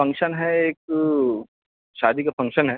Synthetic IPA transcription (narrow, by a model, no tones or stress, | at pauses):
fɐ̃ŋkʃənɦɛeːk̚ | ʃaːd̪ʱikafʰɐ̃ŋkʃənɦɛː